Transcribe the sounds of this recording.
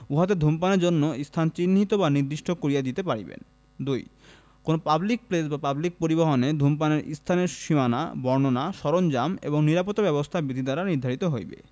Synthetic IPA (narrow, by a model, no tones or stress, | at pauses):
uɦat̪̬ed̪ʱumpaneɾd͡ʑonːoist̪ʰant͡ɕinːɦit̪obaniɾd̪iʃʈʰokoɾijad̪it̪epaɾibḛn | d̪uj | konopablik̚plesbapablik̚poɾiboɦoned̪ʱumpaneɾḭst̪ʰaneɾʃimana̰bɔɾnonaʃɔɾond͡ʑamḛboŋniɾapot̪ːabɛbost̪ʰabɾid̪ʱid̪aɾaniɾd̪ʱaɾit̪oɦojbḛ